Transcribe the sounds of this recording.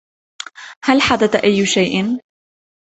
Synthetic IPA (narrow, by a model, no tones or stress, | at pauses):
halħad̪at̪aʔajːʃajʔɪn